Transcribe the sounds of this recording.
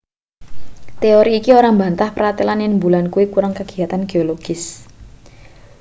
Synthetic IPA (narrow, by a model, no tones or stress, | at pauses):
t̪eoɾiːkioɾamba̤nt̪ahpəɾat̪ilanɪŋmbulankuwikuɾaŋkaɡ̥iat̪anɡ̥eoloɡ̥ɪs